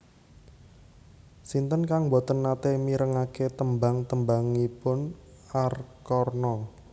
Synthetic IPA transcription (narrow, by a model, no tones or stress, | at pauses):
sint̪ənkaŋbot̪ənːat̪emiɾəŋaket̪əmbaŋt̪əmbaŋipʊnarkɔrnɔ